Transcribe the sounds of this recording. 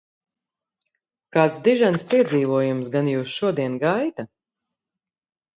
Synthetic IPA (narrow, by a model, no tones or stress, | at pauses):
kaːt̪sd̪iʒanspiɛd̪ziːvuɔjumsɡanjuːsʃuɔd̪iɛnɡajt̪a